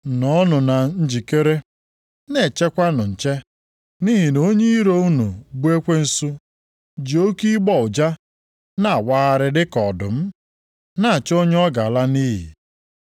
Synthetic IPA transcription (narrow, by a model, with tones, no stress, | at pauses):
nɔ˨˦nʊ˨na˨n̩˦d͡ʒi˨ke˦ɾe˦ | ne˨t͡ʃe˦kʷa˦nʊ˨n̩˨t͡ʃe˦ | ni˦ɦi˨no˦ɲe˦ɾo˦u˦nu˨bu˦e˦kʷe˦n̩˦su˦ | d͡ʒi˨o˦ki˦ɡ͡bɔ˦ʊ˨d͡ʒa˦ | na˨a˨wa˦ɣa˨ɾɪ˨dɪ˦kɔ˨dʊ̰˨m̩˦ | na˦˨a˨t͡ʃo˦ɲ˦ɔ˦ɡa˨la˦niː˦ɦḭ˨